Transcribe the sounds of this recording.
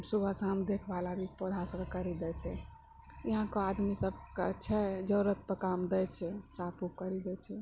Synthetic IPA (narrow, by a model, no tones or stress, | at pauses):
subʱasamd̪ekʰbalabʱipɔd̪ʱasəɡkəɾid̪ɛt͡ʃʰɛ | jiɦãkɔad̪misəb̚ʱkt͡ʃʰɛd͡ʒəɾət̪̚pəkamd̪ɛt͡ʃʰɛsapup̚kəɾid̪ɛt͡ʃʰɛ